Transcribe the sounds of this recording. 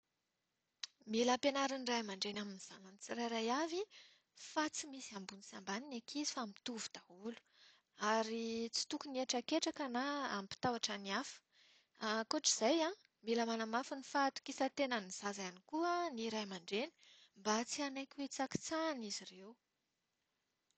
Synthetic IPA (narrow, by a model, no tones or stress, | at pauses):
miləpenaɾinirajmaɳɖ͡ʐenaminiz̥ananit͡sirajɾajavi | fat͡simisiambunisambaninekʰizi̥famit̪uvu̥d̪̥aulu̥ | aɾit͡si̥t̪ukunieʈ͡ʂakeʈ͡ʂakənaa̰mpi̥t̪awaʈ͡ʂaniafə̥ | akoʈ͡ʂiz̥ajã | miləmanamafənifat̪u̥kisət̪enəniz̥azaanikuəniɾajmaɳɖ͡ʐeni̥mbat͡sianajkʲwet͡saki̥t͡sanizirewu